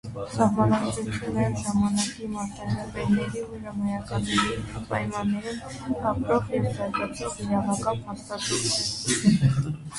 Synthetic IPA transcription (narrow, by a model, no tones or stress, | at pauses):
sɑɦmɑnɑut͡sʰjunɛnʒɑmɑnɑkimɑɾt̪ɑnɑpɛɾnɛɾiuʒɑmɔjɑkɑnpɑjmɑnːɛɾim | kɑpɾɔʁɛvdɑd͡ʒɑt͡s̪ɔʁiɾɑvɑkɑnpʰɑst̪ɑt̪ʰut̪ʰɛ